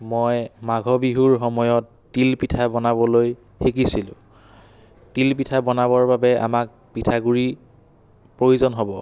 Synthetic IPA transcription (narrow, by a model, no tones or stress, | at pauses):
mɔjmaɡʱɔbiɦuɹxɔmɔjɔtːilpitʰabɔnabɔloj | xekisilʊ̰̃ | tilpitʰabɔnabɔɹbabɛʔa̰mak̚ | pitʰaɡuɹi | pɹojuzɔnɦɔbɔ